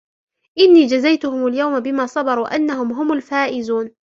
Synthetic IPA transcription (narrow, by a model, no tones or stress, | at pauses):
ʔɪnːiːd͡ʒazajt̪ʊhʊmaljawmabɪmaːsˤɑbɑɾˤuːʔanːaɦʊmɦʊmʊlfaːʔɪzuːn